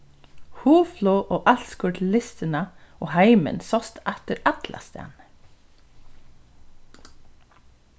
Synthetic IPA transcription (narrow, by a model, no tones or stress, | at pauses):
huːflɔːʔoːʔɑlt̪skʊʈlɪst̪ɪnaoːhæɪmə̰nsɔst̪ɛt̪əɾɑt̪la̰st̪æ̰ːn